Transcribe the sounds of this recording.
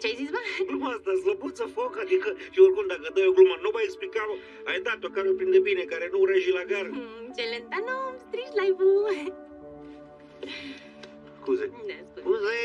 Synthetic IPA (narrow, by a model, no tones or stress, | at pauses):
t͡ʃajzisbaɡlumast̪azləbut̪səfokad̪ikəʃioɾkund̪akəd̪ajoɡlumanubaeksplikao | ajd̪at̪okaɾopɾind̪ebinekaɾenuɾeʒilaɡaɾət͡ʃelent̪anomt̪ɾiʃt̪lajvu | skuzeskkuze